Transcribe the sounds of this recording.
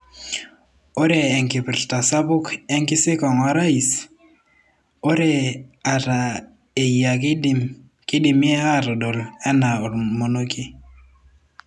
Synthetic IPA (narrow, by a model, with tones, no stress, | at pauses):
o˦ɾɛ˨ɛ˨ŋki˨pɪ˨ɾta˨sa˦bu˦kɛ˦ŋkɪ˦sɪ˦kɔ˨ŋa˨˦ɾa˦i˨s | o˦ɾɛ˦˨a˨ɾa˨ | e˨ja˨k | kɪ˦di˨mjɛ˦a˦ɾɔ˨do˨lɛ˦na˨ɔ˨ɾmo˨no˦ki˦